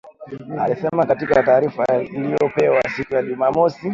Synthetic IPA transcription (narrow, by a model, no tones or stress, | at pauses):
a̰lisɛmakatikataːɾifailijɔpɛwasikujaʄumamɔsi